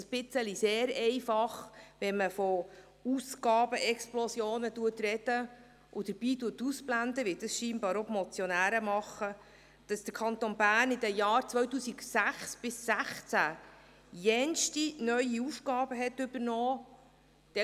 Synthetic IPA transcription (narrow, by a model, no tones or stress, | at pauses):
sb̥ɪt͡səliseːɾɛɪfɑχʋɛnməfɔ | usɡ̥ɑːbəʔɛksplɔsjoːnətuətɾɛd̥ə | ʔʊd̥̪əɾb̥iːtuətːusplænd̪əʋɪld̥̪əsʃiːnbɑːɾɔmɔt͡sjɔnæːɾəmɑχə | d̥ɑsd̪̥əɾkʰɑnt̪onbæːɾnid̪ɛjɑːɾt͡sʋœɥtuːsiksæχsb̥ɪsːæχt͡sæ | jɛnʃtinœʏiufɡɑːbəɦɛtʏbəɾnɔː | d̥ɛ